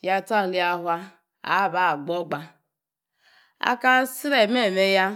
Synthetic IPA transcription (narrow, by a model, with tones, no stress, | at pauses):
ja˦ta˦˨li˦a˦ɦwa˦ | a̰˨˦˨ba˦˨ɡ͡bɔ˦ɡ͡ba˦ | a̰˦ka˦si˦ɾe˨me˦˨me˦ja˦